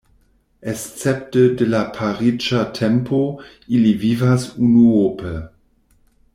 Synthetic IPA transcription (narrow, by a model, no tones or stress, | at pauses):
ʔest͡sɛp̚tədelapʰaʁid͡ʒatʰɛmpʰo | ilivivasunuopə